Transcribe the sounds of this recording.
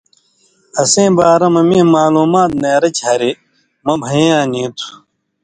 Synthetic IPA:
ɐsẽːbaːɾɐmɐmĩːmaːluːmaːt̪̚neːɾɐt͡ɕʰɐɾi | mɐbʱɐjãːnĩːt̪ʰu̥

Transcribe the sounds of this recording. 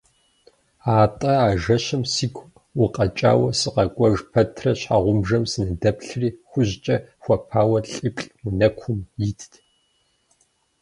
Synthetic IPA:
aːtʼɐaːʒɐɕɨmsiːkʷʰ | wʊqʼɐt͡ʃʼa̰ːwɐsɨqɐkʷʼɔʒpʰɐtʰrɐɕħaʁʷʊmʐɐmsɨnɨdɐpɬɨriːxʷʊʑt͡ʃʼɐxʷɐpʰaːwɐɬʼipʼɬʼwʊnɐkʷʰʊmjitʰtʰ

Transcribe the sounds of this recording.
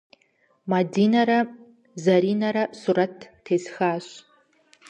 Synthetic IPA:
mɐdiːnɐɾɐ | zɐɾiːnɐɾɐsuɾɐtːʰeːzxaːɕ

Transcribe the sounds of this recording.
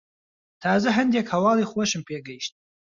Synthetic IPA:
tʰaːzɨħəndijakʰawaliχwaʃɪmpʰʼeɡɐjʃtʼ

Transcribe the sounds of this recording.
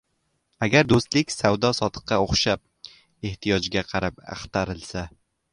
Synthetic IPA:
aɡʲaɾd̪ost̪lɪkʲsawd̪ɒsɒt̪ʰɨ̥qːɑoχʃap̚ | e̞ht̪ʰijɒd͡ʒɡʲaqʰɑɾapɑ̰χt̪aɾɪlˠsa

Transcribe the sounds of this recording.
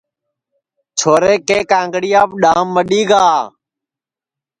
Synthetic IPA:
t͡ʃʰoːɾeːkeːkãːŋɡɽijaːpɗaːmːəɗiːɡaː

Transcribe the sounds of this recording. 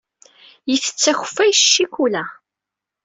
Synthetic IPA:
jiθə̥t͡sːæxə̥fːæjʃːikulæ

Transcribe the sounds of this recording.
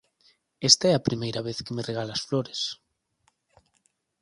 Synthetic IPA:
est̪aɛɐpɾimejɾɐβeθkemereɣalasfloɾes

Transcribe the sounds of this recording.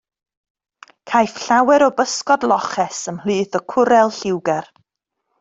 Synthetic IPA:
kʰajfɬawɛɾɔbəskɔdlˠɔχɛsəmhlˠɨːθɔkʰʊɾɛlˠɬɪwɡɛr

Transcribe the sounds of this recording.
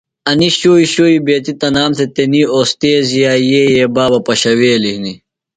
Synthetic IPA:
ɐniɕoːiɕoːibeːt̪it̪ɐnaːmt̪et̪enioːst̪eːzijaːjeːjeːbaːbɐpɐɕɐweːlihni

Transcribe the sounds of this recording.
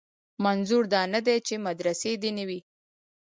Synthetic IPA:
manzuɾd̪ɑnad̪et͡ʃemad̪ɾased̪enawi

